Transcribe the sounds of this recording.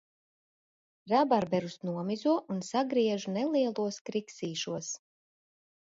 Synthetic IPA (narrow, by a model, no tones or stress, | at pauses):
ɾabaɾbɛɾusnuɔmizuɔʔunsaɡɾiɛʒunɛlˠiɛlˠuɔskɾiksiːʃuɔs